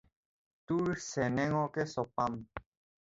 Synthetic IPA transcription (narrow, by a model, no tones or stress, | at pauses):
t̪uɾsɛnɛŋɔkesɔpam